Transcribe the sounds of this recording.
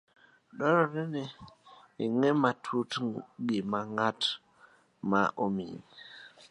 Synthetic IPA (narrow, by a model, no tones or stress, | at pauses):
dɔɾɔɾɛniː | ŋɛmatʰutɡimaŋat | ma̰ʔomḭɲ